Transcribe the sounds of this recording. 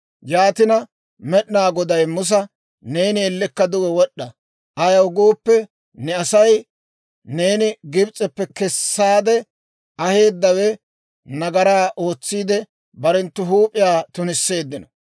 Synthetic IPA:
jaːt̪ɪnɐ | mɛɗɪnaːɡɔd̪ɐjmʊs̬ɐ | ne̞ːnɪɛlːɪkːɐd̪ʊwɛwɔɗːɐ | ʔɐjɐwʊɡoːpːɛ | nɛɐsɐj | ne̞ːnɪɡɪbt͡sʼɛpːɛkɛsːaːd̪ɛ | ɐhe̞ːd̪ːɐwɛ | nɐɡɐɾaːʔo̞ːt͡sːiːd̪ɛ | bɐɾɛnt̪ːʊɦuːpʼːɪjaːt̪ʊnɪsːe̞ːd̪ːɪnɔ̥

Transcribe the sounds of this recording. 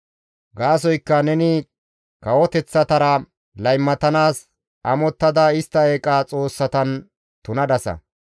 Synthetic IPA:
ɡaːs̬ɔjkːɐnɛnɪ | kɐwɔt̪ɛt͡sːɐt̪ɐɾɐ | lɐjmːɐt̪ɐnaːs | ɐmɔt̪ːɐd̪ɐɪst̪ːɐeːkʼaːt͡sʼo̞ːsːɐt̪ɐn | t̪ʊnɐd̪ɐsɐ̰

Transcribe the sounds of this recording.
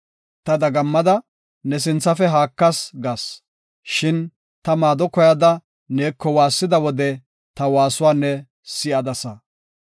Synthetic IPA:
t̪ɐd̪ɐɡɐmːɐd̪ɐ | nɛs̬ɪnt͡sːɐfɛɦaːkːɐsɡɐs | ʃɪn | t̪ɐmaːd̪ɔkɔjɐd̪ɐ | neːkːɔwaːsːɪd̪ɐwɔd̪ɛ | t̪ɐwaːsʊwaːnːɛ | sɪʔɐd̪ɐsɐ

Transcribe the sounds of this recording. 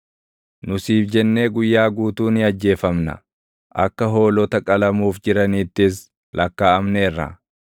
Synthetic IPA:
nʊsiːfd͡ʒɛnːe̞ːɡʊjːaːɡuːt̪uːnɪɐd͡ʒːe̞ːfɐmnɐ̰ | ʔɐkːɐɦo̞ːlɔt̪ɐkʼɐlɐmuːfd͡ʒɪɾɐniːt̪ːɪs̬ | lʔɐkːaːɐmneːrːɐ̰

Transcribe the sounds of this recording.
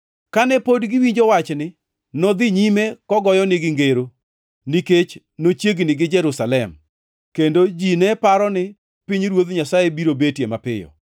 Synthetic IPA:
kanɛpodɡɪwiɲd͡ʒowat͡ʃnɪ | nɔd̪ɪɲimekɔɡɔjɔnɪɡɪŋɡeɾo | niket͡ʃ | not͡ʃjeɡnɪɡɪd͡ʒɛɾusalɛm | kendod͡ʒinɛpaɾɔnɪ | piɲɾwod̪ɲasajebiɾobetjemapɪjɔ̰

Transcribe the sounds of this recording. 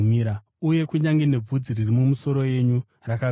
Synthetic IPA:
iɾa | uje̞kuɲaŋɡene̞b͡vud͡ziririmumuso̞ɾo̞je̞ɲu | raka

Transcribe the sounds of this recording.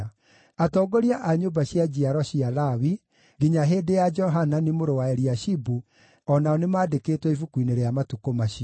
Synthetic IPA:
atɔɡoɾiaʔaɲoːbaɕiad͡ʑiaɾɔɕialawi | ɡiɲaɦeːdejad͡ʒɔɦananimoɾowaeɾiaɕibu | ɔnaɔnemaːdekeːtwɛifukwineɾeamatukomaɕi

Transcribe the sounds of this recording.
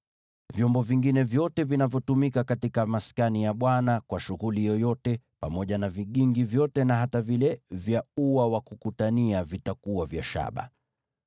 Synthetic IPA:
vjɔmbɔviŋɡinɛvjɔtɛvinavjɔtumikakatikamaskanijaɓwanakwaʃuɣulijɔjɔtɛ | pamɔʄanaviɠiŋɡivjɔtɛnaɦatavilɛvjauwawakukutaniavitakuavja̰ʃa̰ɓa̰

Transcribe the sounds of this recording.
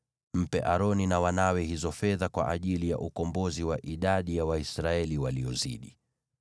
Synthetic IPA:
m̩pɛʔaɾɔninawanawɛhizɔfɛðakwa̰ʔaʄilija̰ʔukɔmbɔziwaʔiɗaɗijawaisɾaɛliwaliɔzḭɗi

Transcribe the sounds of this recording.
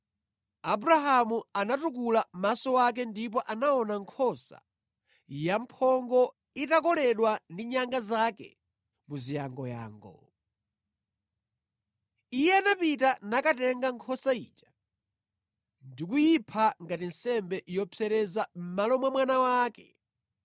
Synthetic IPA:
abuɾaɦamuanatukulamasɔwak̬ɛndip̬ɔʔanaɔnaŋkʰɔsa̰ | jampʰɔŋɡɔ | itakɔlɛɗwandiɲaŋɡazakɛ̰ | muzijaŋɡɔja̰ːŋɡɔ̰ | ijɛanapitanakatɛŋɡaŋkʰɔsaḭːt͡ʃḁ | ndik̬ujipʰaŋɡatin̩sɛmbɛʔjɔpʰɛɾɛzam̩malɔmwamwanawaːkɛ

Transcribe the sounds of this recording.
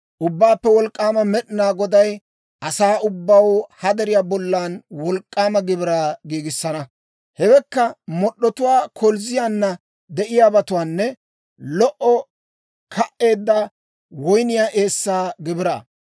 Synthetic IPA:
ʔʊbːaːpːɛwɔlkʼːaːmɐmɛɗɪnaːɡɔd̪ɐj | ʔɐsaːʊbːɐwhɐd̪ɛɾɪjaːbɔlːaːnwɔlkʼːaːmɐɡɪbɪɾaːɡiːɡɪsːɐnɐ | hɛwɛkːɐmɔɗːɔt̪ʊwaːkʰɔlzɪjaːnːɐ | d̪ɛʔɪjaːbɐt̪ʊwaːnːɛ | lɔʔɔ | kʰɐʔːe̞ːd̪ːɐ | wɔjnɪjaːʔe̞ːsːaːɡɪbɪɾa̰ː

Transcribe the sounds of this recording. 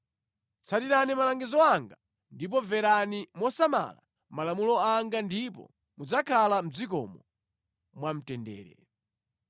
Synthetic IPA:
t͡sʰatiɾanimalaŋɡizɔaŋɡa | ndip̬ɔvɛɾanimɔsama̰la̰ | malamulɔaŋɡandipɔ̰ | mud͡zakʰalam̩d͡zikɔ̰mɔ | mwam̩tɛndɛ̰ːɾɛ̰

